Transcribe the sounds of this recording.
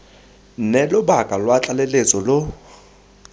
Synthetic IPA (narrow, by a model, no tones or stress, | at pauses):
n̩nɛlʊbakʼalwat͡ɬʼalelet͡sʼɔlo